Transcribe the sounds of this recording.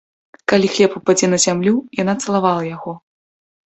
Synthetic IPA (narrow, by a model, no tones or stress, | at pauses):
kalʲixlʲɛpupad͡zʲɛnɐzʲamlʲujanat̪sɐlˠavalˠɐjaɣɔ